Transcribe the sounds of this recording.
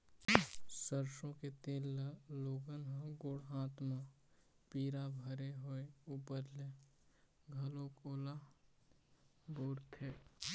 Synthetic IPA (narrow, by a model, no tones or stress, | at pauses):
səɾʃõket̪eːlːəloːɡənɦə̃ɡoːɽɦãːt̪ma | piːɾabʱəɾeɦoeuːpəɾle | ɡʱəlõkoːla | boːɾt̪ʰeː